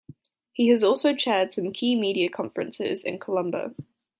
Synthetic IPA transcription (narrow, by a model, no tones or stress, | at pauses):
hiəzɔˑlˠsəʊt͡ʃʰɛːd̥sʌ̃mkʰiːmiːɾiəkʰɒ̃ɱfəɹə̃nsɪ̰zɪ̰̃nkʰəlʌ̃mbə̰ʊ